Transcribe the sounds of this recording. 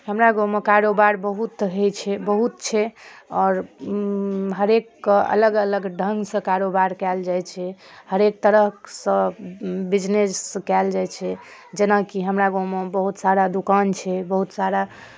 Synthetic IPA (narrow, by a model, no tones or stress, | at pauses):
həmɾaɡomekaɾobaɾbəɦut̪ɦejt͡ʃʰɛbəɦut̪̚t͡ʃʰɛɔːɾ | ɦəɾekːə̰ləɡələɡɖʱəŋɡsə̃kaɾobaɾkɛld͡ʒajt͡ʃʰɛhəɾek̚t̪əɾəɦsə̃bid͡ʒneskɛld͡ʒajt͡ʃʰɛ | d͡ʒenakiɦəmɾaɡomebəɦut̪saɾad̪ukant͡ʃʰɛbəɦut̪saɾa